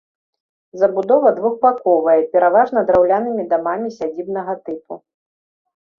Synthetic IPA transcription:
zɐbud̪ɔvɐd̪vuxbakɔvɐjɛpʲɛɾavaʐn̪ɐd̪ɾawlʲanɨmʲid̪amamʲisʲad͡zʲibnɐɣɐt̪ɨpu

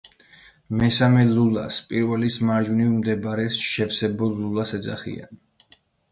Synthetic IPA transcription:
mɛsamɛlula̰spʼiɾvɛlismaɾd͡ʒunivmd̪ɛbaɾɛsʃɛvsɛbɔlulˠasɛd̪za̰χḭa̰n

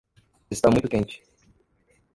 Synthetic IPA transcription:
ɪst̪amũj̃t̪ʊkẽnt͡ʃɪ̥

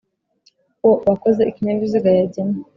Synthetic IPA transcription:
woβakozeikiɲamviziɡajaɟim

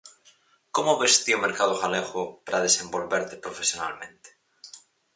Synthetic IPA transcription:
komoβest̪iomeɾkað̞oɣaleɣopaɾað̞esẽmbolβeɾt̪epɾofesjona̰lmẽnt̪e̥

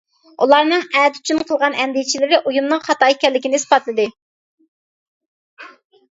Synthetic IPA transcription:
ulˠɑɾnɨŋɛd̪y̥t͡ʃʰynqʰəlˠʁɑnɛnd̪ijt͡ʃʰilɪɾɪʔujumnɨŋχɑt̪ɑːikʲɛɾlːɪkʲinɪspɑt̪lˠɨd̪ɨ

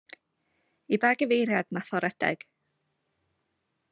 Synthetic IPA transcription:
ibaːɡəvejɾjadnafɔɾɛd̥ɛ̰ɡ̥

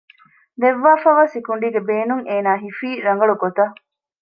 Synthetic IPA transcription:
d̪eʋːaːfɐʋaːsikuɳɖiːɡebeːnuŋʔeːnaːɦifiːɾɐŋɡɐɭuɡot̪ɐ

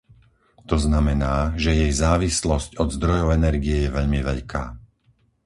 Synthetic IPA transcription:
t̪ɔznamɛnaːʒɛjɛjzaːʋislɔscɔd̪zd̪ɾɔjɔʊɛnɛɾɡijɛjɛʋɛʎmiʋɛʎkʰa̰ː

